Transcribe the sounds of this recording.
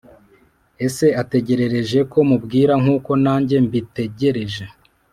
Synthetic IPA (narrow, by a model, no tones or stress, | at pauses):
e̞se̞ate̞ɟe̞ɾe̞ɾe̞ʒe̞ko̞mubɡiːɾaŋuːko̞naːɲɟe̞mbite̞ɟe̞ɾe̞ʒe̞